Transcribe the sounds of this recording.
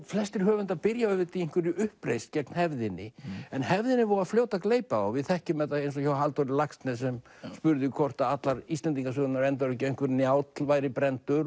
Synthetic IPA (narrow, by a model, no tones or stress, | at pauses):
flɛst̪ɪɾ̥ɦœːvʏnt̪aðpɪɾjaʏvɪɾt̪ʰieŋ̥kvʏɾʏʏhpɾejst̪cɛt̪nhɛvðɪnːɪɛnhɛvðɪnːɪvɔɾaðfloːwt̪akleːjpaavɪðθɛhcʏmɛt̪ːaejns̬ɔçawɦalt̪ɔɾɪlakst̪nɛsɛm | spʏɾðɪkʰɔr̥t̪aat̪laɾist̪lɛnt̪iŋkasœːnaɾɛnt̪aɾʏcɛŋkvʏɾnjaːwt̪llvaːjɾɪpɾɛnt̪ʏɾ